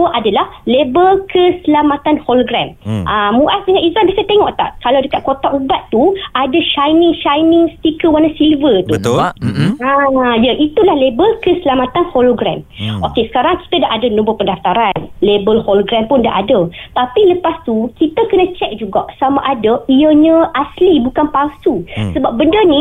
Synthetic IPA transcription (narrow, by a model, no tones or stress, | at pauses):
əʔadalahlebəlkʰəsəlamat̪anholoɡɾamʔamuʔasdəŋãnizanbiasat̪eŋɔʔt̪a̰ʔkalawdəkat̪̚kot̪aʔubat̪t̪uadaʃajnɪŋʃajnɪŋst̪ikəwanasilvət̪u | ãjaʔit̪ulahlebəlkəsəlamat̪anholoɡɾɛ̰mokesə̥kaɾaŋki̥t̪ədaʔadənõbəpədaft̪aɾanlebəlholoɡɾɛmpʊndaʔadət̪apiləpast̪ukit̪əkənə̃t͡ʃɛk̚d͡ʒuɡaʔsamaʔadəiəɲə̃ʔaslibukanpalsusəbap̚bəndənĩ